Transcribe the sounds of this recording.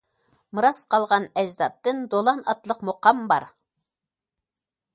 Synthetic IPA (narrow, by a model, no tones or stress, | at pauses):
mɨɾɑsqʰɑlˠʁɑnɛʒzɑt̪ːɨnd̪olˠɑnɑt̪lˠəqmoqɑmbɑɾ